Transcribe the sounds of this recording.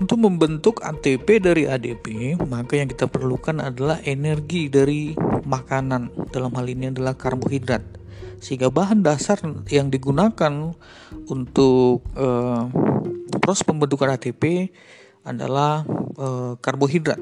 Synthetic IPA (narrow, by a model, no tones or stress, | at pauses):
unt̪ʊk̚məmbənt̪ʊka̰t̪epedaɾiadepemakajaŋkit̪apərlukana̰dalahʔenɛrɡidaɾimakanandalamɦaliniadalahkarboɦidɾat̪̚səɦiŋɡabaɦandasarjaŋdiɡunakan | unt̪ʊk̚ə | pɾɔspəmbənt̪ukanat̪epe | a̰da̰lahəkarboɦidɾa̰t̪̚